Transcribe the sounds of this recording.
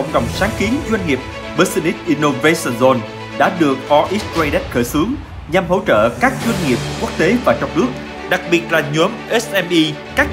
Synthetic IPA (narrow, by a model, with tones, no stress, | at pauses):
ə̰˧˩wŋ͡mɗə̰˨˩wŋ͡msaː˨˦ŋki˨˦ənzwa˧ŋ̟hi˨˩əp̚ | ɓə˨˧˥sə˧ni˦˥t̚ʔi˧no˧ve˧sə˧nzɔ˧n | ɗa̰ː˧˥ɗɨ˨˩ək̚ʔɔ˨˧˦ʔi˦˥ta˧jɗɛ˦˥t̚xəː˧˩jsɨ˨˦əŋ | ɲa˨˩mɦo̰˧˥˩t͡ɕə̰ː˧˨kaː˦˥k̚zwə˧jŋ̟hi˨˩əp̚ku˦˥ək̚t̪e˨˦vaː˨˩t͡ɕɔ˧wŋ͡mnɨ˦˥ək̚ | ɗa˨˩k̚ɓi˨˩ət̚laː˨˩ɲu˨˦əmʔɛ˦˥sʔɛ˧mʔi˧ | kaː˦˥k̚